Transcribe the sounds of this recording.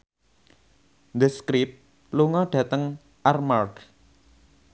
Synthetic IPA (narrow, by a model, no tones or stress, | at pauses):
nd̪əskɾɪp̚ | luŋɔɖ̥ä̤t̪əŋ | ʔarmark